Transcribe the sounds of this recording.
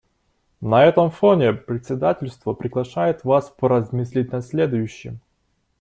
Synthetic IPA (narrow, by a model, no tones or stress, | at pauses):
nɐɛt̪əmfonʲepɾʲɪt̪ʲsʲɪd̪atʲɪlʲst̪vəpɾʲɪɡlˠɐʂajɪt̪vaspəɾɐzmɨsʲlʲit̚ʲnɐsʲlʲed̪ʊjʉɕːɪ̰m